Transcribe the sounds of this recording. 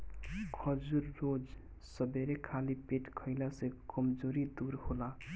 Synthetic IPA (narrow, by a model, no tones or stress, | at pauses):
kʰʌd͡ʒuɾːod͡ʒ | sʌbeɾekʰalipeʈkʰəɪlasẽkʌmd͡ʒoɾid̪uɾhola